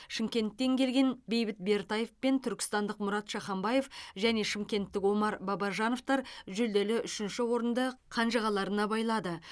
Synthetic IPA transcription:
ʃɪmkʲe̞nt̪ːe̞ŋkʲʰe̞lɡʲe̞nbe̞jbɪt̪̚be̞rt̪ɑjefpe̞nt̪ʰʏɾkʲɪ̥st̪ɑnd̪əqmʊɾɑt̪ʃɑχɑmbɑje̞fʒæne̞ʃɪmkʲe̞nt̪ːɪkwo̞mɑɾbɑbɑʒɑno̞ft̪ɑɾʒɵld̪e̞lɪʔʏʃɪnʃɪwo̞ɾənd̪əqʰɑnʒəʁɑlˠɑɾənɑbɑjlˠɑd̪ə

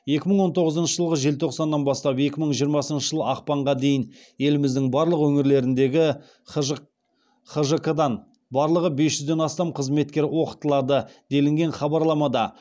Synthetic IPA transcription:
je̞kʲɪməɴwo̞nt̪ʰo̞ʁəzənʃəʒəlˠʁəʒe̞lt̪ʰo̞qsɑnːɑnbɑst̪ɑpje̞kʲɪməɴʒijəɾmɑsənʃə̥ʒəlˠəɑqpɑɴʁɑd̪e̞jɪn | je̞lɪmɪzd̪ɪŋbɑɾlˠəqwɵŋɪɾle̞ɾɪnd̪e̞ɡʲɪ | χəʒəkad̪ɑn | bɑɾlˠəʁəbe̞sʒʏzd̪e̞nɑst̪ɑmqʰəzme̞t̪̚kʲe̞ɾwo̞qə̥t̪əlˠɑd̪əd̪̥e̞lɪŋɡʲe̞nχɑbɑɾlˠɑmɑd̪ɑ

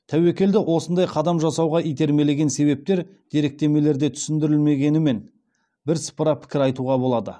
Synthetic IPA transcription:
t̪ʰæwe̞kʲe̞ld̪ɪʔwʔo̞sənd̪ɑjqʰɑd̪ɑmʒɑsɑwʁɑʔijt̪e̞ɾme̞le̞ɡʲe̞nse̞βe̞p̚t̪e̞ɾd̪̥e̞ɾe̞k̚t̪e̞me̞le̞ɾd̪e̞t̪ʰʏ̥sɪnd̪ɪɾɪlme̞ɡʲe̞nɪme̞n | bɪɾsə̥pəɾɑpʰɪ̥kʲɪɾɑjt̪uʁɑbo̞lˠɑd̪ə̰

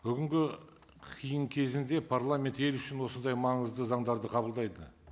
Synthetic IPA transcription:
bʏɡʲɪŋɡʲɪ | qʲʰijəɴkʲʰe̞zɪnd̪e̞pʰarlˠamʲe̞nt̪e̞lʏʃɪnwo̞sənd̪ɑjmɑɴəzd̪əzɑɴd̪ɑɾd̪əqʰɑbəlˠd̪ɑjd̪ə

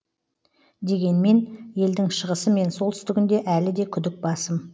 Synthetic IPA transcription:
d̪e̞ɡʲe̞nme̞nje̞ld̪ɪŋʃəʁəsəme̞nso̞lˠt̪ʏst̪ɪɡʲɪnd̪e̞ʔælɪd̪e̞kʲʰʏd̪ɪk̚bɑsəm

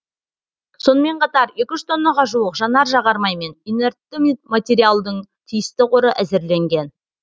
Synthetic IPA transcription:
so̞nəme̞ɴqʰɑt̪ɑɾje̞kʲɪʒɪt̪ʰo̞nːɑʁɑʒuəqʒɑnɑɾʒɑʁɑɾmɑjme̞nine̞ɾt̪ːɪmmat̪ʲe̞ɾijalˠd̪əɴt̪ʰijɪst̪ɪqoɾəʔæzɪɾle̞ŋɡʲe̞n

